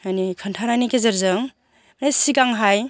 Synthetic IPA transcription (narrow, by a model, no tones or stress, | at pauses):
ajnikʰəntʰanajnikezɐɾzɯŋ | mnesiɡaŋɦaj